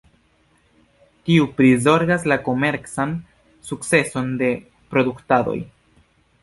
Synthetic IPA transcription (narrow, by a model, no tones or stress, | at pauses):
tiupɾizo̞ɾɡaslako̞me̞ɾt͡san | sukt͡se̞so̞nde̞ | pɾo̞duktado̞̰j